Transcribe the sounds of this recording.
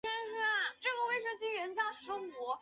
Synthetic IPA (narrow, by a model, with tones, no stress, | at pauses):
ɛ˥nʂ̩˥˨˩ʈ͡ʂɤ˥˩ɡə˩we˥˩ɪʂɤ˥˩t͡ɕi˥ɻə˧˥nt͡ɕja˥ʂə˧˥pwɔ˧˥